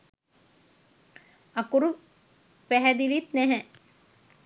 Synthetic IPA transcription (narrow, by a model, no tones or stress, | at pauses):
akuɾu | pæɦæd̪ilit̪næɦɛ